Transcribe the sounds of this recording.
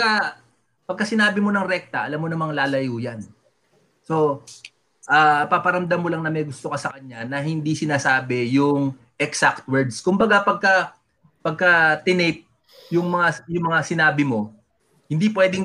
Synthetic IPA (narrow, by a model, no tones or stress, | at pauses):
kɐ | pɐɡ̚kɐsɪnaːbɪmo̞nɐŋɾɛk̚t̪ɐʔɐlamːonɐmɐŋlaːlɐjuːjɐn | so̞ | ʔaːpaːpɐɾɐmd̪amːolaŋnɐmɛjɡʊst̪okɐsɐkɐɲːanɐɦɪnd̪isɪnaːsaːbɛjʊŋ | ʔɛksak̚t̪̚wɛɹd̪skʊmbɐɡapɐɡ̚kɐ | pɐɡ̚kɐt̪ɪnɛp̪̚ | jʊŋmɐŋajʊŋmɐŋasɪnaːbɪmo̞ | hɪnd̪ipwɛːd̪ɪŋ